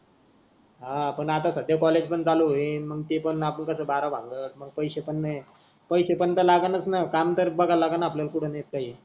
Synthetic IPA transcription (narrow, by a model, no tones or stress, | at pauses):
ɦãpəɳat̪asəd̪ʱjakɔled͡ʑpəɳd͡zaluɦeməɡ̚t̪epəɳapəɳkəsəːbaɾabʱã̰ŋɡəːt̪məɡ̚pəjɕepəɳːe | pəjɕepəɳt̪əlaɡanət͡snakamt̪əɾbəɡʱalaɡanaːpljalkuɽ̤ʰənek̚t̪aje